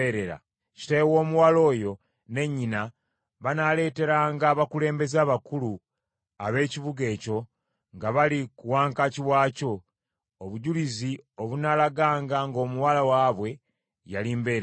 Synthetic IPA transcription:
eɾeɾa̰ | ci̥tawo̞ːmuwalo̞ːjo̞ | ne̞ɲːina | βanale̞ːte̞ɾaːŋɡaːβakule̞ːmbe̞zaːβakulu | aβe̞ːciβuɡe̞ːco̞ | ŋɡaβalikuwaːŋkaciwaːco̞ | oβuɟulizio̞βunaːlaɡaːŋɡaŋɡo̞ːmuwalawaːβwe̞ | ja̰liːmbe̞ɾ

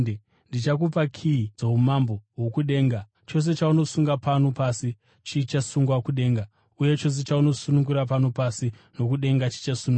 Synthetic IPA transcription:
ndit͡ʃakupakʰiid͡zoɦumamboɦwokuɗe̞ːŋɡa | t͡ʃo̞s̬e̞t͡ʃauno̞suŋɡapano̞pasi | t͡ʃit͡ʃasuŋɡwakuɗe̞ːŋɡa | uje̞t͡ʃo̞s̬e̞t͡ʃauno̞sunuŋɡuɾap̬ano̞pasi | no̞kuɗe̞ŋɡat͡ʃi̥t͡ʃasunu

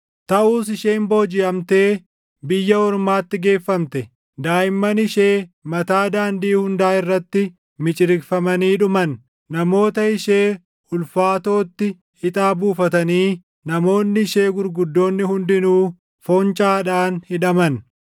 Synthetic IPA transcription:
t̪ɐʔuːs̬ɪʃe̞ːmbo̞ːd͡ʒɪʔɐmt̪e̞ː | bɪjːɐɔɾmaːt̪ːɪɡe̞ːfːɐmt̪ɛ | d̪aːjɪmːɐnɪʃeːmɐt̪aːd̪aːnd̪iːhʊnd̪aːɪrːɐt̪ːɪ | mɪt͡ʃʼɪɾɪkfɐmɐniːᶑʊmɐnː | ɐmo̞ːt̪ɐɪʃe̞ː | ʊlfaːt̪o̞ːt̪ːɪ | hɪt̪ʼaːbuːfɐt̪ɐniː | nɐmo̞ːnːɪɪʃeːɡʊɾɡʊd̪ːo̞ːnːɪhʊnd̪ɪnuː | fɔnt͡ʃʼaːᶑaːnhɪᶑɐmɐn

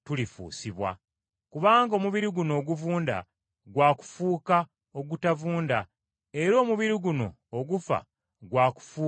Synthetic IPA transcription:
tulifṵːsiβwa̰ | kuβaːŋɡao̞ːmuβiɾiɡuno̞ːɡuvuːnda̰ | ɡwaːku̥fuːka | o̞ɡutavuːnda | e̞ɾo̞ːmuβiɾiɡuno̞ːɡufa̰ | ɡwaːku̥fuː

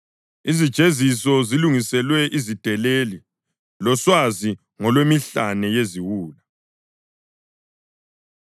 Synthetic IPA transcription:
izid̥ʒ̥ʱezisɔziluŋisɛlwɛʔizid̥ʱɛleli | lɔswazi | ŋɔlwemiɬanɛjeziwuːla

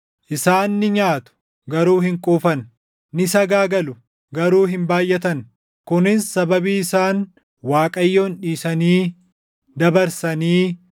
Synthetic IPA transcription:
ʔɪsaːnːɪɲaːt̪ʊ̥ | ɡɐɾuːhɪŋkʼuːfɐn | nɪsɐɡaːɡɐlʊ | ɡɐɾuːɦɪmbaːjʔɛt̪ɐn | kʊnɪnsɐbɐbiːɪsaːn | waːkʼɐjːo̞ːnᶑiːsɐniː | d̪ɐbɐɾsɐniː

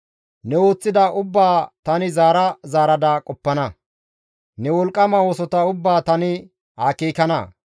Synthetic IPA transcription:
nɛo̞ːt͡sːɪd̪ɐʔʊbːaːt̪ɐnɪzaːɾɐzaːɾɐd̪akʼɔpːɐnɐ | nɛwɔlkʼːɐmɐwoːsɔt̪ɐʊbːaːt̪ɐnɪ | ha̰ːkeːkɐnɐ̰

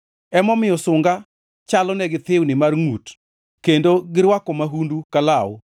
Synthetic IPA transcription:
ɛmɔmɪjɔsʊŋɡa | t͡ʃalɔnɛɡɪt̪ɪwnɪmarŋut | kendoɡɪɾwakɔmaɦundukala

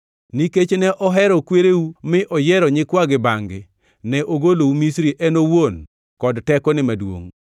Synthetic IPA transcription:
niket͡ʃnɛʔɔɦɛɾɔkweɾeumɪʔɔjɛɾɔɲɪkwaɡɪbaŋɡɪ | nɛʔoɡoloumisɾiʔɛnowon | kɔdtɛkɔnɪmadwo̰ŋ

